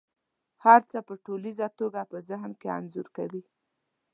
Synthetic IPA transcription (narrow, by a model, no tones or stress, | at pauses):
haɾt͡səpəʈolizat̪oɡapəzaɦmkea̰nzuɾkawi